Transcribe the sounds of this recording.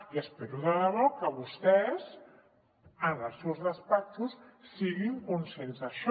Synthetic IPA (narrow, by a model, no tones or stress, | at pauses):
iəspeɾuðalaβokəβust̪ɛz | ənalsewzðəspɛk̚t̪usːiɣiŋkunsensaʃ